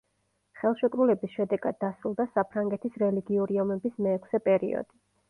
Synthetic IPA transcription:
χɛlˠʃɛkʼɾulɛbisʃɛd̪ɛɡad̪̚ːasɾulˠd̪asapʰɾaŋɡɛt̪ʰisɾɛliɡiuɾiɔmɛbismɛːkʰsɛpʼɛɾḭɔ̰d̪̥i

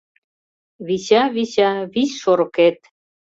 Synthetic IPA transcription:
βiɕaβiɕɑβisʃoɾket̪̚

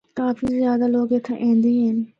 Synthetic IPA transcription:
kaːfiːzjaːd̪aloːɡet̪ʰã̰ʔɛ̃ːnd̪eɦɛ̃ːn

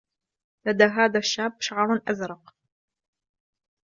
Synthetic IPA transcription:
lad̪aːɦaːðaʃːaːbʃaʕɾˤʊnʔazɾˤɑq

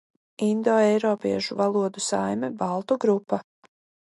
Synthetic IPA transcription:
ind̪ɔːɛjɾɔːpiɛʃuvalˠuɔd̪usajmɛbalˠt̪uɡɾupːa

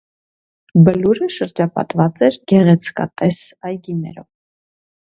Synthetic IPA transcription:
bəluɾəʃəɾd͡ʒɑpɑ̰t̪vɑt͡sɛɾɡ̥ɛʁɛt͡sʰkɑ̰t̪ɛsɑjɡinɛɾɔv

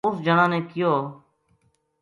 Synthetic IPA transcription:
ʊsd͡ʒəɳãːnẽːkɪjoː

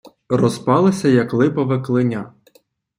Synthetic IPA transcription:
rɔzpɑlˠɪsʲɐjɐklˠɪpɐʋɪklˠɪnʲa

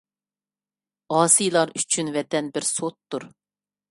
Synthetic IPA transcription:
ɑːsɨjlˠɑɾyt͡ʃʰynvɛt̪ɛnbɪɾsot̪ːuɾ

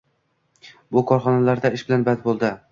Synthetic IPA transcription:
bʊkʰɒɾχɒnalaɾd̪aɪʃbɪlanbad̪bolˠd̪ɪ

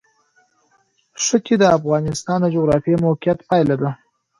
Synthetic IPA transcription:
ʂəked̪əafɣɑnɪst̪ɑnd̪əd͡ʒoɣɾɑfijemoqijat̪pɑjlad̪a

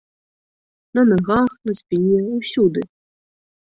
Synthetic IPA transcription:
nɐnaɣaxnɐsʲpʲinʲɛusʲud̪ɨ

